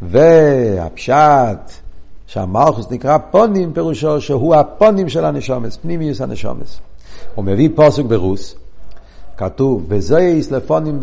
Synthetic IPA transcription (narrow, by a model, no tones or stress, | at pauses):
vɛa̰pʃatʃa̰malˠχʊsnɪkʁapɔnimpɛʁuʃɔʃeɦuapɔnimʃɛlˠanɛʃɔməspnimiʊsanəʃɔ̰mə̰sʊməviːpɔsʊk̚bɛʁus | katufvɛzoɪisləfɔnim